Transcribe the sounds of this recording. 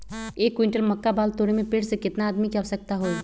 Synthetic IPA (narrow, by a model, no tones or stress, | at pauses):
eːkːwɪ̃ɳʈəlməkːabaːlt̪oːɾ̃emẽpeːɽsekɪt̪naːd̪mikawsək̚t̪aɦoː